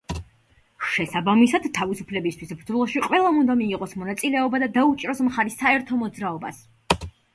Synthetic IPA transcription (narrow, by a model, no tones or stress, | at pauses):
ʃɛsabamisad̪t̪ʰːavisupʰlɛbist̪ʰwisbɾd̪zɔlˠɔʃiqʼwɛlˠaund̪amiːʁɔsmɔnat̪sʼilɛɔbad̪ad̪aut͡ʃʼɾɔsmχaɾisːaɛɾt̪ʰɔmɔd̪zɾaɔbas